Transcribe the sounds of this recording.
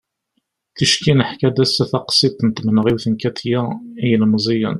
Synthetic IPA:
θəʃkinəħkæd̪æsæθɑqsˤit̪nət̪ːmnəʁiwθənkæt̪jæijəlmzˤijə̰n

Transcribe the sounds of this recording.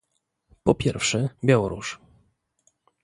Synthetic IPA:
pɔpʲjɛɾfʂɛbʲjawɔɾṵʂ

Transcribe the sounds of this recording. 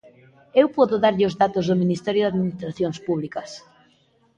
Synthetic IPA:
ewpɔðoðaɾʎɪozðat̪ozðʊminist̪ɛɾjoðaðminist̪ɾaθjoŋspuβlikɐs

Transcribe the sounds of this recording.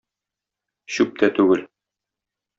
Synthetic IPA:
ɕʉp̚t̪æt̪ʉɡɘl

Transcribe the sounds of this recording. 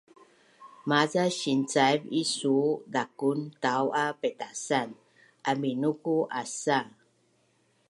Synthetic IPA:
mazaɕint͡sajvisudakuntawʔapetasan | ʔaminukuʔasa

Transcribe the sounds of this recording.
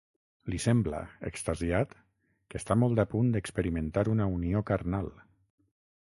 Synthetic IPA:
lisɛmbla̰ḛkst̪aziat̪ | kəst̪amɔlˠd̪apund̪əkspəɾiment̪aɾunauniokaɾnalˠ

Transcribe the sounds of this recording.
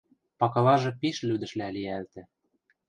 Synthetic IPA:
pɑkɤ̆lɑʒɤ̆piʃlyd̪ɘ̆ʃlæliælt̪ɘ̆

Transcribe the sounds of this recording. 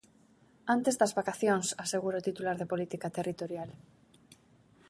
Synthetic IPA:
ant̪ezðɐzβakaθjoŋsaseɣuɾaot̪it̪ulaɾðepolit̪ikat̪erʔit̪oɾjal

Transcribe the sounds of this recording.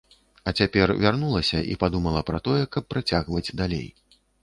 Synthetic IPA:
ɐt͡sʲapʲɛrvʲarnulˠɐsʲɐʔḭpad̪umɐlˠɐpɾɐt̪ɔjɛkɐpːɾat͡sʲaɣvɐd͡zʲd̪alʲḛj

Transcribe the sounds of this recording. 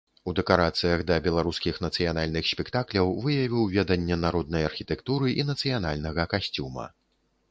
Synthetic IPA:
ud̪ɛkaɾat̪sɨjɐɣd̪ɐbʲɛlˠaɾuskʲixnɐt̪sɨjanalʲnɨxsʲpʲɛkt̪aklʲɐwvɨjɐvʲiwvʲɛd̪ɐnʲːɛnaɾɔd̪̚nɐjɐrxʲit̪ɛkt̪uɾɨʔinɐt̪sɨjanalʲnɐɣɐkasʲt͡sʲumɐ̰

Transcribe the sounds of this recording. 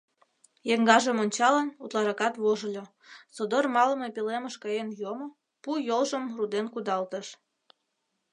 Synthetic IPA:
jeŋɡɑʒəmonʲt͡ɕɑlənut̪lɑɾɑkɑt̪βoʒəlʲo | sod̪ormɑləmepileməʃkɑjenjomo | pujolʒəmrud̪enkud̪ɑlt̪əʃ

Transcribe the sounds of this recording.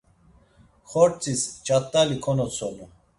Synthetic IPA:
χɔɾt͡sʰʼist͡ʃʼat̪ʼːalikʰɔnɔt͡sʰɔnu

